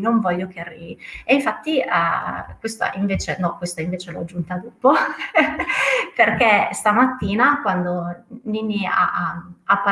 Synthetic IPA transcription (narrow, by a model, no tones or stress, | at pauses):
noɱvɔʎːok̟earːḭːvːieiɱfat̪ːi | kwest̪a̰ʔiɱveːt͡ʃenɔkːwest̪aiɱveːt͡ʃeloa̰d͡ʒːunt̪ad̪uːpo | perkest̪amat̪ːiːnakwand̪oninːia̰apːa